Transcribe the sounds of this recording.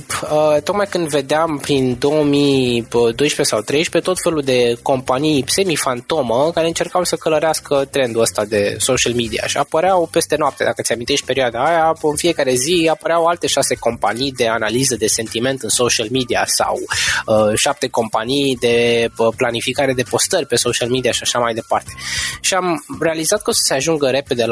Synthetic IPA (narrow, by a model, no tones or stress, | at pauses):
ət̪o̞k̚majkɨnd̪ve̞d̪eampɾind̪o̞omiəd̪o̞jʃpe̞sawt̪ɾe̞jʃpe̞t̪o̞t̪fe̞lud̪e̞ko̞mpanijse̞mifant̪o̞məkaɾeɨnt͡ʃe̞rkawsəkələɾeaskʰət̪ɾe̞nd̪uəst̪ad̪e̞so̞ʃialmid̪ia̰ʃiapəɾeawpe̞st̪e̞noap̚t̪ḛd̪akət̪sʲamint̪e̞ʃt̪̚ʲpe̞ɾioad̪aːjaɨnfie̞kaɾe̞ziapəɾeawalt̪e̞ʃase̞ko̞mpanijd̪e̞analizəd̪e̞se̞nt̪ime̞nt̪ɨnso̞ʃialmid̪ia̰sa̰wəʃap̚t̪e̞ko̞mpanijd̪e̞planifikaɾe̞d̪e̞po̞st̪ərʲpe̞so̞ʃialmid̪iaʃiaʃamajd̪e̞part̪e̞ʃiamɾe̞alizat̪̚ko̞sə̥seaʒuŋɡəɾe̞pe̞d̪e̞l